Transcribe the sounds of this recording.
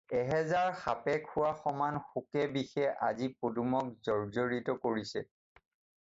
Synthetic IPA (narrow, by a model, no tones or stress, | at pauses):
ɛɦɛzaɹxapɛkʰʊwaxɔmanxukɛbixɛʔa̰zipodumɔk̚zɔɹzoɹitɔkoɹisɛ